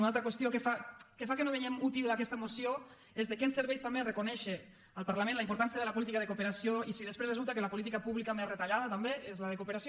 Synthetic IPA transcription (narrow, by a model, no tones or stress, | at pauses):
unalˠt̪ɾəkwəst̪jokefakefakənoβejemut̪ilˠd̪akɛst̪əmosio | ezðekensəɾβɛjst̪amberəkunɛʃe | əlˠpaɾlamẽnləimpuɾt̪ans̬jəðəlɐpulit̪ikaðekupeɾasioisiðespɾezrezulˠt̪əkelɐpolit̪ikapuβlikamezret̪aʎaðət̪ambeezləðekupeɾasi